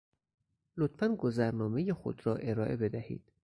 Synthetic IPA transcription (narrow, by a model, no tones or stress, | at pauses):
lot̪fænɡozæɾnɒːme̞jexo̰d̪ɾɒːʔe̞ɾɒːʔe̞̰be̞d̪æhḭːd̪̥